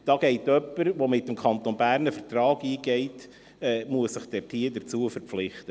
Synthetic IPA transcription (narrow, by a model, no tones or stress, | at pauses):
d̥ɑːɡ̥ɛɪtœpːəɾʋomɪtːəmkʰɑnt̪onbæːɾnəfətɾɑːɡiːɡɛɪt | ɛːmuəssəχd̥ɛɾtʰhiədəɾt͡suəfəɾp͡flɪχtə